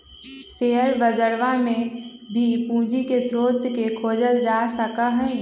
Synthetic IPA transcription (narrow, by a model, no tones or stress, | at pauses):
seːɦəɾbəd͡ʒəɾʋamẽbʱipũːd͡ʒikesɾoːt̪kekʰoːd͡ʒəld͡ʒaːsəkaɦɛ̃